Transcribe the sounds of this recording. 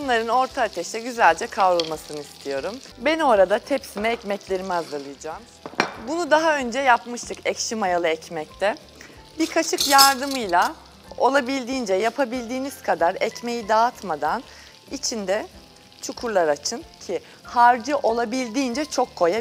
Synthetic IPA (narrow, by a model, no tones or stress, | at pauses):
bunlˠaɾɯno̞ɾt̪ʰaːt̪ʰɛʃt̪ɛɟyzælʲd͡ʒɛkʰavɾulˠmasɯnɯist̪ʰijo̞ɾum | bɛno̞ɾad̪at̪ʰɛpsimɛɛcmɛclʲe̞ɾimiazlˠalˠɯjd͡ʒaːm | bunud̪aɦaø̞nd͡ʒɛjapmɯʃt̪ʰɯkɛcʃimajalˠɯɛcmɛc̚t̪ʰɛ | biɾkʰat͡ʃʰɯkjaɾd̪ɯmɯjlˠa | o̞lˠabilʲd̪iːnd͡ʒɛjapʰabilʲd̪iːniz̥kʰad̪aɾɛcme̞jid̪at̪mad̪an | it͡ʃʰind̪ɛ | t͡ʃʰukʰuɾlˠaɾat͡ʃʰɯncʰi | haɾd͡ʒɯʔo̞lˠabilʲd̪iːnd͡ʒɛt͡ʃʰo̞kʰːo̞ja